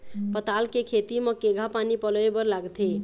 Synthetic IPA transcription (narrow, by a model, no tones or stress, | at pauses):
pət̪alkekʰet̪imə̃keɡʱapanipəlebəɾlaɡt̪ʰe